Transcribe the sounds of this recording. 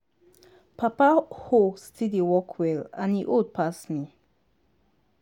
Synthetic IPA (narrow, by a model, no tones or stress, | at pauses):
pʰapahostʰidiwɔkʰwɛlã̰niʔod̚pʰasni